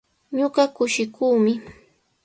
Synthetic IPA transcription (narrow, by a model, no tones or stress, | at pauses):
ɲoɢɑkʊʃɪkuːmɪ